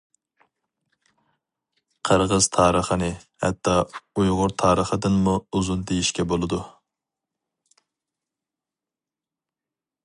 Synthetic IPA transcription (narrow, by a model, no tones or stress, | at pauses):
qʰəɾʁəz̥t̪ʰɑːɾəχənɨhɛ̰t̪ʰːɑujʁʊɾt̪ʰɑːɾəχəd̪ɨnmuuzund̪ejiʃkʲɛbolˠɨd̪u